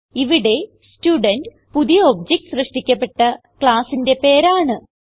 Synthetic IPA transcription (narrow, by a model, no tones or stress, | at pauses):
iʋiɽe̞ | stjuːɖɐnɖ | puðijɐob̚d͡ʑek̚ʈsrɨʂʈikʲːɐpːe̞ʈːɐ | kɭaːsinde̞pe̞ːɾaːɳɨ